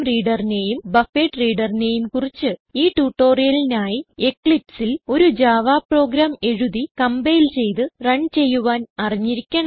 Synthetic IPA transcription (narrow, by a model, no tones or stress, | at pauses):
mriːɽɐrine̞ːjumbɐfeːʈːriːɽɐrine̞ːjumkurit͡ɕːɨiːʈuːʈːoːrijɐlinaːjie̞kɭipsilo̞ɾud͡ʑaːʋaːpro̞ːɡɾaːme̞ɻuðikɐmbejilt͡ɕe̞jt̪ɨrɐɳt͡ɕe̞jːuʋaːnɐriɲːiɾikʲːɐɳ